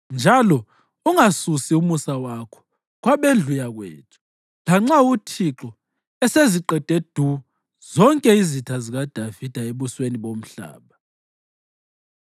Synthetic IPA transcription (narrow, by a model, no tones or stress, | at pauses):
nd͡ʒʱalɔ | uŋasusiumusawakʰɔ̥ | kwaβeɮʱujaɣwḛːtʰu̥ | laŋ͡ǁautʰiǁɔ | ɛseziǃɛd̥ʱʼed̥ʱu | z̥ɔŋkʼɛizitʰaziɣad̥ʱavid̥ʱaeβusweniβom̩ɬa̰ːβa